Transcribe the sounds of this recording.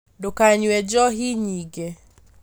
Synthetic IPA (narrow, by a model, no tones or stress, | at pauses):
dokaɲwɛd͡ʒɔɦiɲiɡɛ